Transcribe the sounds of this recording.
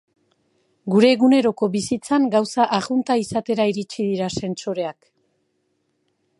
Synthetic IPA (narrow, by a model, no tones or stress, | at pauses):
ɡuɾe̞ːɣune̞ɾo̞ko̞βisit͡saŋɡawsaʔaɣunt̪aisat̪e̞ɾaiɾit͡ʃiðiɾase̞nt͡so̞ɾe̞ak